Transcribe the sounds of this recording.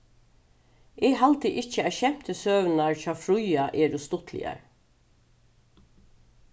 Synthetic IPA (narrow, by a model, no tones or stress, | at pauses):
ɛːɡɦalt̪əʔɪt͡ʃəæʃɛm̥t̪əsøːʋnaɹt͡ʃɑːfɹʊjaʔeːɾust̪ʊt̪ʰlɪ̰a̰ɹ